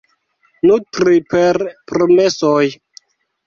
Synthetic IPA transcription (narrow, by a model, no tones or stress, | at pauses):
nutɾipeɾpɾomesoj